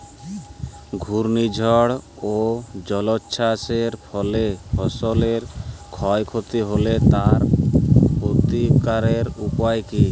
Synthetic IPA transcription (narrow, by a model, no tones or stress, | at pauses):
ɡʱuɾnid͡ʒʱɔɽ | od͡ʒɔlɔtːʃʰaseɾpʰɔlepʰɔsɔleɾkʰɔjkʰot̪iɦolet̪aɾ | pot̪ikaɾeɾupajki